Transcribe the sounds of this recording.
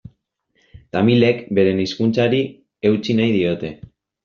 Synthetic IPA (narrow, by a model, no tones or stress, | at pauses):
t̪amile̞kbe̞ɾe̞niskunt͡saɾi | e̞wt͡sinajðio̞t̪e̞